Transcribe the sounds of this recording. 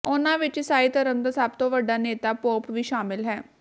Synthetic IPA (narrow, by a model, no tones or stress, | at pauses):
oːnãʋɪt͡ʃsaːit̪əɾənd̪əsaːb̚t̪õʋəɖːaneːt̪apoːpʋiːʃaːmɪlɦɛː